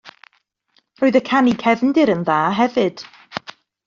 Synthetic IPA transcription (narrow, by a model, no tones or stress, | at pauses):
rɔːɨðəkʰanikʰɛvndɪɾənðaːɦɛvɨd̥